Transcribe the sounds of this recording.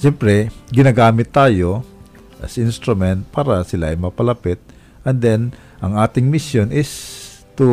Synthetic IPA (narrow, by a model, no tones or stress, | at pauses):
ʃɛmpɾɛɡɪnaɡaːmɪt̪ːaːjo | ʔɐ̰sɪnst̪ɾʊmɛnt̪̚paːɾɐsɪlaɐjmɐpɐlɐpɪt̪̚ | ʔɐnd̪ɛn | ʔɐŋaːt̪ɪŋmɪsjonɪst̪u